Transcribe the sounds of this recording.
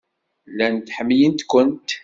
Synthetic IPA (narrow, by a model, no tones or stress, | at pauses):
lːænt̪ħəmːijənt̪kʷːənt̪